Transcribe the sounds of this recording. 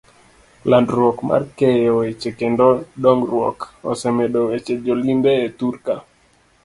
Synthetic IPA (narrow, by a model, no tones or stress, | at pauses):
landɾwɔkmʔa̰rkejowet͡ʃekendoɔɗɔŋɡɾwɔ̰kɔ̰sɛmeɗowet͡ʃed͡ʒolimbeetuɾka